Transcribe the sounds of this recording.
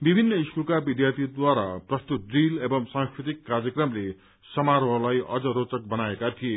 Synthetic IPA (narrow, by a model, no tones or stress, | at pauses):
bibʱinːʌiskulkabid̪jart̪ʰid̪waɾa̰prʌst̪ut̪̚rilebʌmsãŋskɾit̪ikːarjʌkrʌmle | sʌmaɾoɦlajʌ̰d͡zʌɾot͡sʌk̚bʌnaekat̪ʰije